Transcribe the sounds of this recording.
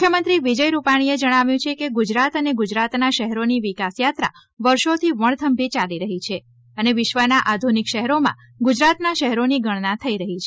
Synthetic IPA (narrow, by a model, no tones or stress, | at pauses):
mukʰjəmənt̪ɾiʋid͡ʒəjɾupaɽ̃ied͡ʒəɽ̃aʋjũt͡ʃʰekeɡud͡ʒɾat̪əneɡud͡ʒɾat̪naʃəɦɾoniʋikasjat̪ɾa̰ | ʋəɾʃot̪ʰiʋəɳ̃t̪ʰəmbʱit͡ʃaliɾəɦit͡ʃʰe | əneʋɪʃʋənaʔad̪ʱunikʃəɦɾomã̰ | ɡud͡ʒɾat̪naʃəɦɾoniɡəɳnat̪ʰəiɾəɦit͡ʃʰe